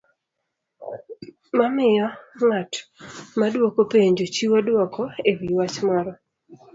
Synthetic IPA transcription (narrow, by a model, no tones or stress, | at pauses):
mamɪjɔŋatmadwokopeɲd͡ʒot͡ʃiwadwɔkʰoewiwat͡ʃmaɾɔ